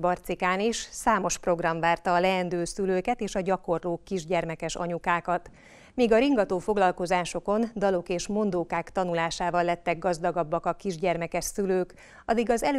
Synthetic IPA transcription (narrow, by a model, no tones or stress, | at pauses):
bɒrt̪sikaːniʃsaːmo̞ʃpro̞ɡrɒɱvaːrt̪ɒːlɛɛnd̪øːsyløːkɛt̪eːʃɒɟɒko̞rloːkːiʒɟɛrmɛkɛʃɒ̰ɲukaːkɒt̪ | miːɡɒɾiŋɡɒt̪oːfo̞ɡlɒlko̞zaːʃo̞ko̞nd̪ɒlo̞keːʃmo̞nd̪oːkaːkt̪ɒnulaːʃaːvɒlːɛt̪ːɛɡɡɒzd̪ɒɡɒbːɒkɒkiʒɟɛrmɛkɛʃsyløːk | ɒ̰d̪iɡɒzɛl